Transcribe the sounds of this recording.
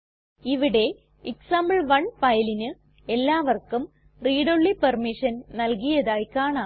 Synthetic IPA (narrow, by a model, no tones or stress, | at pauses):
iʋiɽe̞ | iksaːmbɐɭʋɐɳpɐjɐlinɨ | e̞lːaːʋɐrkum | riːɽoɭːipɐrmiʂɐnnɐlkijɐðaːjkaːɳa